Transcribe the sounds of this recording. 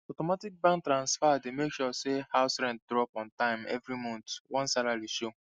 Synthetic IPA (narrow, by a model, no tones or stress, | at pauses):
ɔtɔmatik̚bãn̚tɾãnsfaademekʃɔsehaʊsɾɛ̃nt̚dɾɔpɔ̃ntãɪ̃mɛ̰vɾimɔ̃ntwɔ̃nsalaɾiʃo